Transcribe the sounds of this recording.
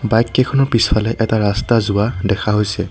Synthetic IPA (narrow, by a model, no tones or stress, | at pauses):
bajkːɛkʰɔnɔɹpisalɛʔɛtaɹastazʊadɛkʰaɦojsɛ